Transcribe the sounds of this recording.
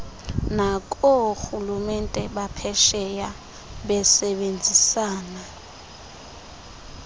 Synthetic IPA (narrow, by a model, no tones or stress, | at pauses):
nakʼɔxulumɛntʼɛɓapʰɛʃɛja | ɓɛsɛɓend͡zʱisaːna